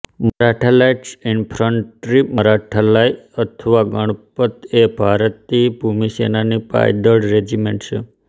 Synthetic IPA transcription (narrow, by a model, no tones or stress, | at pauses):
məɾaʈʰəlajʈsinpʰɾəɳʈɾiməɾaʈʰəlajət̪ʰəʋaɡəɽ̃pət̪ebʱaɾt̪ːibʱumisenanipa̰jd̪əɽɾed͡ʒimeɳʈt͡ʃʰe